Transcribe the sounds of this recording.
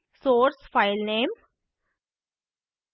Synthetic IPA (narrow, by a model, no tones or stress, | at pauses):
soːɾsfaɪlneːm